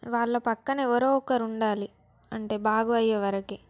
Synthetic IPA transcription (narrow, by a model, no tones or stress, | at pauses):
ʋaːɭːɐpɐkːɐnɐɛʋɐɾoːɔkːɐɾuɳɖaːli | ɐ̰ɳʈe̞ːbaːɡuɐjːɐʋɐɾɐki